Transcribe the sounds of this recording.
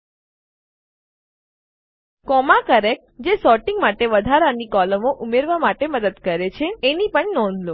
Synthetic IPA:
kɔmakəɾek̚d͡ʒesɔɾʈĩŋɡmaʈeʋəd̪ʱaɾanikɔləmoʔumeɾʋamaʈeməd̪əd̪kəɾet͡ʃʰeːnipəɳnɔ̃nd̪ʱlo

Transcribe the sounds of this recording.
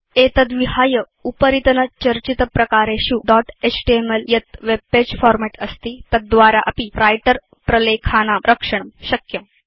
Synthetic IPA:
et̪ɐd̪ʋiɦaːjə | upəɾit̪ənət͡ɕɐɾt͡ɕit̪əpɾɐkaːɾeɕuɖɔʈet͡sʈiemeljɐt̪ʋeb̚ped͡ʑfɔɾmeʈəst̪iːt̪ɐt̪̚d̪ʋaːɾaʔɐpiɾajʈəɾ | pɾɐlekʰaːnamɾʔəkʂəɳ̃əmɕɐkjəm

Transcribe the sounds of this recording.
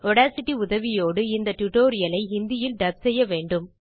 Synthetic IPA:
ɔɽaːsɪʈːiʊðɐʋɪjoːɽɯɪnd̪ɐʈʊʈoːɾɪjɐlɐɪɦɪnd̪ɪjɪlɖ̪ɐb̚sɛjːɐʋeːɳɖɯm

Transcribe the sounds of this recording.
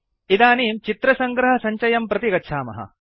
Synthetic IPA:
id̪aːniːmt͡ʃit̪ɾɐsɐŋɡɾɐɦɐsɐɲt͡ʃɐjɐmpɾɐt̪iɡɐtːʃʰaːmɐ̰ɦɐ̰

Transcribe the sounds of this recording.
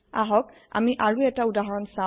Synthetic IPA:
aɦɔk | a̰miʔaɹuɛtaudaɦɔɹɔnsa

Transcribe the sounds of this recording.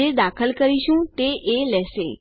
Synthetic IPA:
ed̪akʰəlkəɾiʃũt̪eʔelɛʃḛ

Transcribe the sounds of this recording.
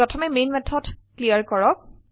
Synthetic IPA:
ɹɔtʰɔmɛmejnmɛtʰːɔtklijaɹkɔɹɔk̚

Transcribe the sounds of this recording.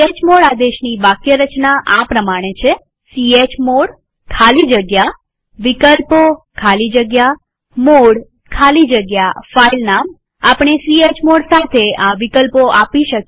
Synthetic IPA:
et͡ʃmoɽad̪eʃnibakjəɾət͡ʃnaʔapɾəmaɽ̃et͡ʃʰe | siet͡ʃmoɽ | kʰalid͡ʒəɡja | ʋikəlpokʰalid͡ʒəɡja | moɽ | kʰalid͡ʒəɡjafailnam | apɳ̃esiet͡ʃmoɽsat̪ʰeãʋikəlpoʔapiʃək

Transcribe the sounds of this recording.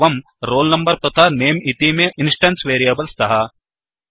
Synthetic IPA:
ʋɐm | ɾoːlnɐmbɐɾpɾɐt̪ʰaneːmit̪imeːʔinsʈɐnsʋeːɾijɐːbɐlst̪ʰɐɦɐ

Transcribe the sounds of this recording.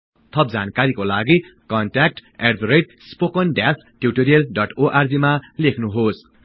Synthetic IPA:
t̪ʰʌp̚d͡zankaɾikolaɡikʌnʈak̚ʈeɖb̪ʱɾejʈ̚ | spokʌnɖas | ʈjuʈoɾijʌlɖʌʈoʔard͡zimalekʰnuɦos

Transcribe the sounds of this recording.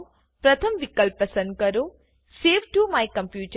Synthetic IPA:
pɾɐt̪ʰəmʋikəlpɐsə̃nd̪̚kɐɾo | seːʋʈumajkɐ̃mpjuːʈ

